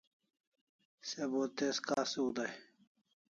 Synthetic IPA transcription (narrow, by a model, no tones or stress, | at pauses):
sebot̪eskaːseud̪aj